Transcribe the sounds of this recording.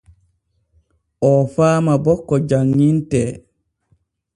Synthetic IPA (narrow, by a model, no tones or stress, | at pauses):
ʔɔfaːmabɔkːɔd͡ʒaŋːintɛ